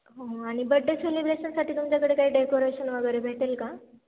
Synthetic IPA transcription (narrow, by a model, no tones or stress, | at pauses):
ɦoaɽ̃ibəɖːəselibɾeɕənsaʈiːt̪umt͡ɕjakəɽekaɦiːɖekoɾeɕənʋəɡəɾebʱeʈelka